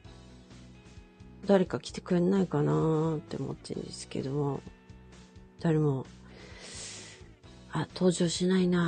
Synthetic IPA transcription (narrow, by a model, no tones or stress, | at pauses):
d̪aɾe̞kakʲi̥t̪e̞̥kɯ̟ɾenaikanat̪ːe̞o̰mʔo̰t̪ːḛ̃nd̪e̞sɨ̥ke̞̰d̪o̞mo | d̪̥aɾemo̞ | at̪ʰo̞ːʑo̞ːɕinaina